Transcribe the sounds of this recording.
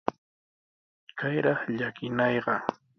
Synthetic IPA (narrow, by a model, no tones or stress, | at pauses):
kajɾɑχʎakɪnɑjɢɑ